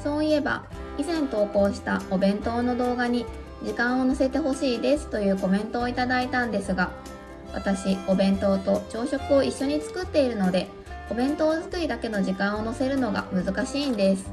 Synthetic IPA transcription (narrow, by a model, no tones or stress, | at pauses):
so̞ːie̞ba̰ | izẽ̞nt̪o̞ːko̞ːɕi̥t̪aobẽ̞nt̪o̞ːno̞d̪o̞ːɡaɲ̟i | d͡ʑikãɰ̃o̞no̞se̞t̪e̞ɦo̞ɕiːd̪e̞sɨ̥t̪o̞jɯ̟ːko̞mẽ̞nt̪o̞ːit̪ad̪ait̪ãnd̪e̞sɨɡa | βa̰t̪aɕio̞bẽ̞nt̪o̞ːt̪o̞t͡ɕo̞ːɕo̞kɯ̟o̞ʔiɕːo̞ɲ̟it͡sɨ̥kɯ̟t̪ːe̞iɾɯ̟no̞d̪e̞ | o̞bẽ̞nt̪o̞ːzɨkɯ̟ɾʲid̪ake̞no̞ʑikãɰ̃o̞no̞se̞ɾɯ̟no̞ɡa̰mɯ̟zɨkaɕiːnd̪e̞sɨ̥